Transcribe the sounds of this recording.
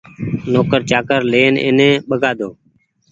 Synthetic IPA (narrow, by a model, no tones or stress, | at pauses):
noːkəɾt͡ʃaːkəɾleːnḛːnẽːɓəɡʱaːd̪ʱoː